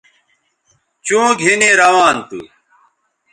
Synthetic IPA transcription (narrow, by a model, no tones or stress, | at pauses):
t͡ɕũːɡʱineɾɐwaːnt̪ṵ